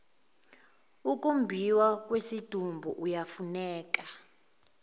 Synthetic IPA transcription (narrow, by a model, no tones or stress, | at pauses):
uk̬ʼumbʱiwak̬ʼwesid̥ʱumbʱuʔujafunɛːk̬ʼa